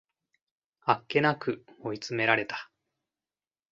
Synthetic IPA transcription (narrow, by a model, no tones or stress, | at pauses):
akːe̞nakɯ̟oit͡sɨme̞ɾaɾe̞t̪ḁ